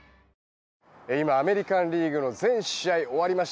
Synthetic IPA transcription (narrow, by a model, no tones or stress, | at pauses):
eimaːme̞ɾʲikãnɾʲiːɡɯ̟no̞zẽ̞ɰ̃ɕiaio̞βaɾʲimaɕ